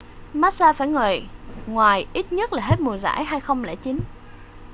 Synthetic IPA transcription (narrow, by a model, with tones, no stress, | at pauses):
maː˦˥t̚saː˧faː˧˩jŋəː˨˩jŋwaː˨˩jʔi˦˥t̚ɲə˦˥t̚laː˨˩ɦe˦˥t̚mu˨˩əza̰ː˧˥˨jɦaː˧jxə˧wŋ͡mlɛ̰˧˥t͡ɕi˨˦n